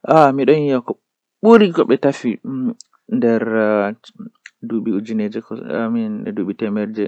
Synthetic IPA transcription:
ʔamiɗɔnjjakɔ | ɓuɾiɡɔɓɛtafi | ndɛɾ | duɓiud͡ʒined͡ʒɛkɔa̰minɛ̰duɓitɛmɛɾd͡ʒɛ

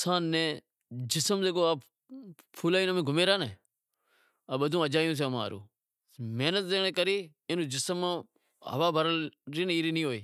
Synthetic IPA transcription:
saːnːẽː | d͡ʒɪsəmzeːkoːa | pʰuːlaːiːnəmẽːɡʱʊmeːɾaːneː | əɓəd̪ʱũːəd͡ʒaːjũːs̬eːma̰ːɾo̰ː | meːnət̪̚d̪eːɽ̃eːkəɾiː | ɪnũːd͡ʒɪsəmːãː | ɦə̰ʋaːbʱəɾəɾiːniːɾiːnĩːɦoːḭː

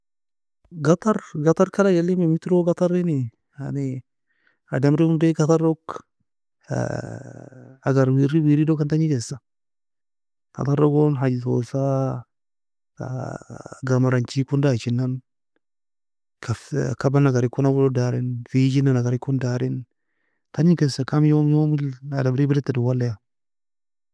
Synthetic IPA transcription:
ɡɐt̪ɐrɡɐt̪ɐɾkɐlad͡ʒɐlːɪmɛmɪt̪ɾoːɡɐt̪ɐrːɪnɪ | a̰nɪ | ɐdɐmɾɪhʊndeɡɐt̪ɐrɔk | aɡɐɾwiɾiwiːɾidokɐnt̪ɐɲɪkeːsɐ | kɐ̰t̪ɐrɔɡɔnɦad͡ʒɪtoːsa | ɡamaɾant͡ʃikundat͡ʃinːan | kafkabanaɡaɾikːonawulodaɾinfid͡ʒinanaɡaɾikːondaɾin | taɲikesakamjomjomiladamɾibidetːaduwalːaja

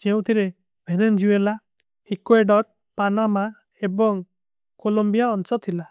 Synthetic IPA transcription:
d͡ʒew̃t̪ʰiɾe | bʱenend͡ʒuela | ikweɖɔɾ̚ | panama | ebɔŋ | kolombijaɔnsɔt̪ʰːila

